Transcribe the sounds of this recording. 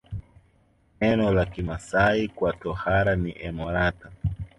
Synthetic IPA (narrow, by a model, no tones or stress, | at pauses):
nɛnɔlakimasaikwatɔhaɾaniʔɛmɔɾata